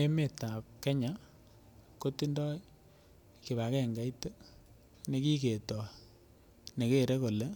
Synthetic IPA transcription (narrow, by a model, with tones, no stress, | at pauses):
e˦me˨ta˨p̚kɛ˦ɲa˨ | ko˦ti˦ndɔ˦ | ke˨βa˨kɛ˦˨ŋɡa˨˦i˦te˦ | ne˨ki˦ke˨tɔ˨ | ne˨ke˦˨ɾe˦ko˨le˦